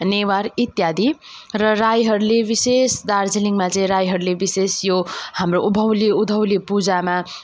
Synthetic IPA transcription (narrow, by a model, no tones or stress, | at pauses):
newaɾit̪jad̪ʱi | rʌrajɦʌɾulebisesd̪ard͡ziniŋmat͡sʌ̃ĩɾajɦʌɾulebisesjohamroubʱʌwliud̪ʱʌwlipud͡zama